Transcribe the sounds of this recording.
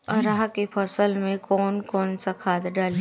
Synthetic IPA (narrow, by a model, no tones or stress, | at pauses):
ɔɾaɦakepʰɐsəlmẽkɔːnkɔːnsakʰaːt̪ɖaːl